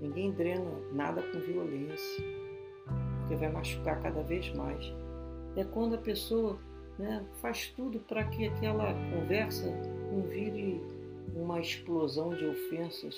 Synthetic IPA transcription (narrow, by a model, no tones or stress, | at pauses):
nĩɡẽj̃d̪ɾẽnɐ | na̰d̪ɐkõviolẽsjɐ | pʊkevajmaʃu̥kakad̪ɐvezma̰js | ɛkwɐ̃nd̪ʊɐpesoɐ | nɛfaʃt̪ud̪ʊpɾɐkɪakɛlɐkõvɛɾsɐkõviɾɪ | ũmɐesplozɐ̃w̃d͡ʒɪofẽsɐ̰s